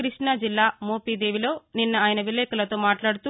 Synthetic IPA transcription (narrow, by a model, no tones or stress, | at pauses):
kɾiʂɳad͡ʒilːaːmoːpiːd̪eːʋilo̞ːninːɐaːjinɐʋileːkɐlɐt̪o̞ːmaːʈlaːɽut̪u